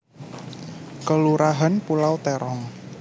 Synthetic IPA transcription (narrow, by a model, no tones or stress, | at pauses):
kəluɾaɦanpulawt̪eɾɔŋ